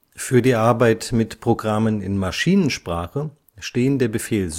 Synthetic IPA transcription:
fyːɐdiːʔaɐbaɪtmɪtpʁ̥oɡʁamənɪ̰nmaʃiːnənʃpʁ̥aːχə | ʃteːəndeːɐbəfeːlz

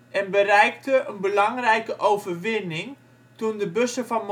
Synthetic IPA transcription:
ɛnbərɛjk̚təʔənbəlɑŋrɛjkəʔowvərʋɪnɪŋ | tundəbøsəvɑnm

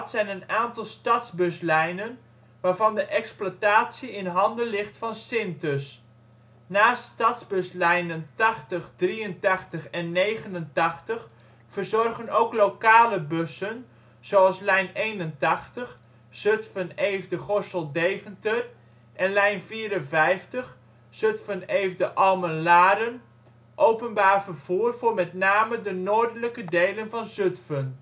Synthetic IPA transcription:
tsɛjnənaːntɑlˠstɑdzbɵslɛjnən | ʋaːrvɑndəʔɛksplataːtsiɪnɦɑndənlɪχtfɑnsɪntəs | naːstɑtzbɵslɛjnəntɑχtəχdriəntɑχtəχɛnːejχənəntɑχtəχ | fərzɔrɣənowklowkaːləbɵsən | z̥oɑlˠslɛjnejnəntɑχtəχ | z̥øtfənejvdəχɔsəlˠdejvəntər | ʔɛnlɛjnfiːɾənvɛjftəχ | søtfənejvdəʔɑlˠmənlaːɾən | ʔowpənbaːrvərv̥uːrvʊːrmɛtnaːmədənoːdələkədejlənvɑnzøtfən

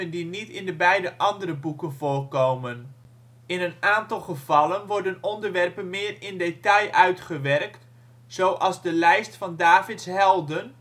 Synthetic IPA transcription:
əndinitɪndəbɛjdəʔɑndəɾəbukənvoːrkowmən | ɪnənaːntɑlˠχəv̥ɑlˠənʋɔrdənɔndərʋɛrpənmɪːrɪndetɑjʔœɥtχəʋɛrkt | z̥oːʔɑlˠzdəlɛjstfɑndaːvɪtshɛlˠdən

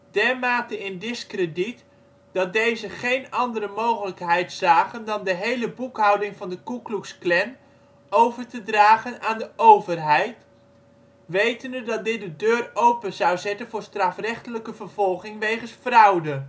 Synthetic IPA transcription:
d̥ɛɹmaːtəɪndɪskrədit | d̥ɑt̚dejzəχejnɑndəɾəmowχələkɦɛjtsaːχəndɑndəɦejləbukɦʌwdɪŋvɑndəkukluksklɛn | owvəɹtədraːχənaːndəʔowvərɦɛjt | ʋejtəndədɑt̚dɪt̚dədøːrowpənzɑwzɛtənvʊːɹstrɑfrɛχtələkəvəɹvɔlˠχɪŋʋejχənsfrʌwdə

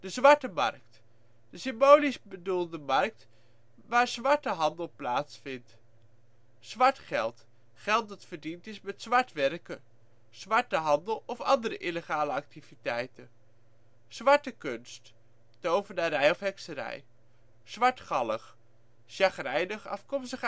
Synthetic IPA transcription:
d̥əzʋɑɹtəmɑ̰rk̚t | d̥əsɪmbowlizbədulˠdəmɑrk̚t | ʋaːɹz̥ʋɑɹtəɦɑndəlˠplaːtsfɪnt | z̥ʋɑɹtχɛlˠt | χɛlˠt̚dɑtfəɹdintɪsmɛtsʋɑɹtʋɛrkə | z̥ʋɑɹtəɦɑndəlˠɔfɑndəɾəʔiləχaːləɑk̚tivitɛjtən | z̥ʋɑɹtəkɵnst | dowvənaɾɛjɔfɦɛksəɾɛ̰j | z̥ʋɑɹtχɑləχ | ʃɑχərɛjdəχɑ̰fkɔmstəχ

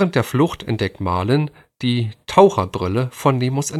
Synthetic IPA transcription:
ʁənt̚d̥eːɐflʊxtʰɛ̰nt̚d̥ɛk̚tmaːlən | d̥iːtʰaʊχɐbʁɪləfɔnːeːmʊsɛ

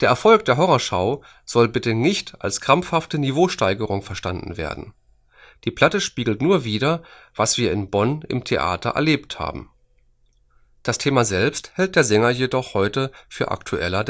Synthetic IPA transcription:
d̥eːɐʔɛɐfɔlk̚d̥eːɐɦɔʁɐʃaʊ | z̥ɔlbɪtənɪçta̰lskʁ̥amfhaftənivoːʃtaɪɡəʁʊŋfɛɐʃtandn̩vḛːɐdn̩ | d̥iːpʰl̥atəʃpiːɡl̩tnuːɐviːdɐvasv̥iːɐɪnbɔnɪ̰mtʰeʔa̰ːtɐ̰ʔɛ̰ɐleːptha̰ːbm̩ | d̥astʰeːmazɛlpsthɛlt̚d̥eːɐzɛŋɐjedɔχhɔʏtəfyːɐʔa̰ktʰuʔɛ̰lɐd

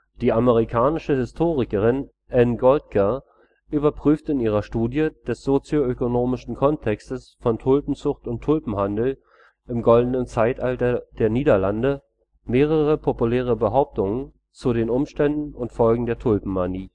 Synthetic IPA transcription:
d̥iːʔaməʁ̞ikʰaːnɪʃəhɪstʰoːʁɪkəʁ̞ɪn | ʔɛnɡɔlt̚kʰə | ʔyːbɐpʁ̥yːftɪniːʁ̞ɐʃtuːdjəd̥ɛsz̥ot͡sjoøkonoːmɪʃn̩kʰɔntʰɛkstəsfɔntʰʊlpm̩t͡sʊxtʊntʰːʊlpm̩handl̩ | ʔɪmɡɔldn̩ənt͡saɪtʔaltɐd̥eːɐniːdɐlandə | meːʁ̞əʁəpʰopulɛːʁ̞əbəɦaʊp̚tʊŋən | t͡sudeːnʊmʃtɛndn̩ʊntfɔlɡŋ̩deːɐtʰʊlpm̩maniː

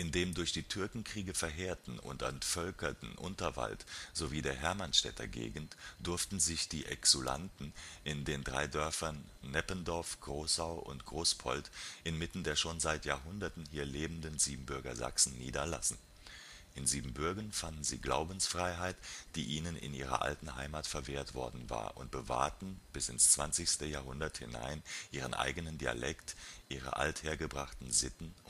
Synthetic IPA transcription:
ʔɪndeːmdʊɐçd̥iːtʰʏɐkŋ̩kʁ̥iːɡəfɛɐɦeːɐtn̩ʊ̰ntʔɛntfœlkɐtn̩ʔʊ̰ntɐva̰ltz̥oviːdeːɐɦɛɐmanʃtɛ̰tɐ̰ɡḛːɡn̩td̥ʊɐftn̩zɪçd̥iːʔɛ̰ksula̰ntn̩ʔɪndeːndʁa̰ɪdœɐfɐnː | ɛpəndɔɐfɡ̥ʁoːsaʊʔʊ̰ntɡ̥ʁoːspʰɔ̰ltʔɪnmɪtn̩deːɐʃoːnzaɪtjaːɐɦʊndɐtn̩hiːɐleːbn̩dənziːbm̩bʏɐɡɐ̰za̰ksn̩nḭːdɐla̰sn̩ | ʔɪnziːbm̩bʏɐɡɐnfandn̩zḭːɡla̰ʊbn̩sfʁ̥aɪɦaɪtd̥iːʔiːnənɪ̰nʔiːʁ̞ɐ̰ʔa̰ltn̩ɦaɪmaːtfɛɐveːɐtv̥ɔ̰ɐdn̩va̰ːɐʔʊ̰nt̚b̥əva̰ɐtn̩b̥ɪsɪnst͡sv̥a̰nt͡sɪçstəjaːɦʊndɐthɪ̰na̰ɪnʔiːʁ̞ənʔa̰ɪɡənəndia̰lʔɛktʔiːʁə̰ʔa̰ltheːɐɡəbʁaχtn̩zɪtn̩

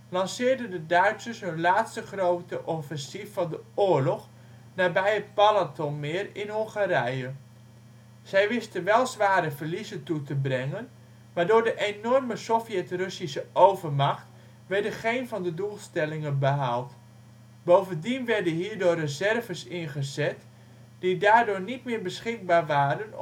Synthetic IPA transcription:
lɑnsɪːrdəndədœɥtsəshɔlaːtstəχrowtəʔɔfɛnsifːɑndəoːɹlɔx | naːbɛjətpalatɔnmɪːrɪnhɔŋχaɾɛjə | z̥ɛjʋɪstənʋɛlˠzʋaːɾəvərlizətutəbrɛŋən | maːɹdoːɹdəʔenɔrməsofjɛtrɵsisəʔowvərmaxt | ʋɛɹdəχejnvɑndədulˠstɛlɪŋənbəɦalˠt | bowvəndinʋɛrdəɦiːɹdʊːrəzɛrvəsɪnχəzɛt | d̥idaːrdʊːnitmɪːɹbəsχɪk̚baːrʋaːɾən

